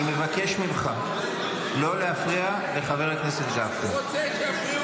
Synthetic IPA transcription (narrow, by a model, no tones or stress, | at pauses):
ime̞vake̞ʃmilχa | lo̞le̞hafʁia | le̞χave̞ʁekne̞setd͡ʒafi